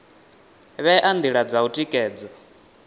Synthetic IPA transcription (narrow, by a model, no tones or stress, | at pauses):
βɛʔand̪iɺad͡zautʼikʼɛːd͡zɔ